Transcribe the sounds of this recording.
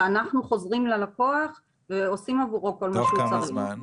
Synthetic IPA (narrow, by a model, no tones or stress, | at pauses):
anaχnuχo̞zʁimlalakoaχ | veo̞simavuʁoko̞lmaʃehut͡saʁi